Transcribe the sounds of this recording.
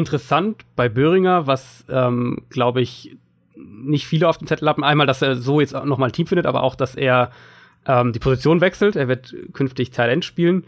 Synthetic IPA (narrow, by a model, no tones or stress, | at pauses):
ʔɪntəʁəsantb̥aɪbøːʁ̞ɪŋɐvasʔɛːmɡ̥laʊbəɪç | nɪçtfiːləaʊfd̥eːmt͡sɛtl̩haːbm̩ʔaɪnmaːldaseːɐzoːjɛt͡stnɔχmaːlntʰiːmfɪndətʔaːbɐ̰ʔa̰ʊxd̥asʔeːɐ | ʔɛːmdiːpʰozit͡sjoːnvɛksl̩tʔeːɐvɪɐtkʰʏnftɪçtʰaɪlɛntʃpiːlən